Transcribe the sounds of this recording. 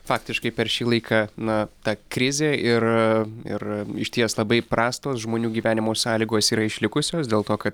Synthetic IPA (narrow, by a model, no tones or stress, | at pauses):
fɑːk̚t̪ʲɪʃkɐɪpʲɛɾʃʲiːlˠɐɪkʰɑːnɐt̪ɑːkɾʲɪzʲeːɪɾɪ̰rɪʃʲt̪ʲiɛslˠɐbɐɪpɾɑːst̪oːsʒmoːnʲuːɡʲiːʋʲæːnʲɪmoːsɑːlʲiːɡoːsiːɾɐɪʃʲlʲɪkʊsʲoːsd̪ʲeːlˠt̪oːkɐt̪